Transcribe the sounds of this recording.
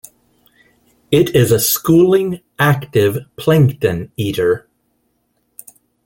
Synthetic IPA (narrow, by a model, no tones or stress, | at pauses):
ɪɾɪzɨskulˠɪ̃ŋ | æktɪv̥pʰl̥ɛ̃ŋktɨ̃niɾə˞